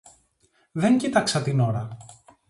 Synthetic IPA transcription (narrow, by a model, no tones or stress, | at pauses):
ðe̞ɲcit̪ɐksɐt̪ino̞ɾɐ